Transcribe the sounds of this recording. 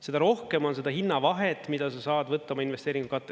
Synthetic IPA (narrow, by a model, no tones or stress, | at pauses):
se̞d̪ɑɾo̞hke̞mo̞nse̞d̪ɑɦinːɑvɑɦet̪ːˑmid̪̥ɑsɑsɑːd̪vɤt̪ːˑɑmɑinvest̪eːɾiŋɡ̥ukɑt̪ːˑe